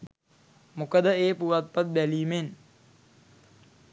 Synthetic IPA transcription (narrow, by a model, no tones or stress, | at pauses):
mukəd̪əeːpuʋat̪̚pat̪̚b̪æliːmen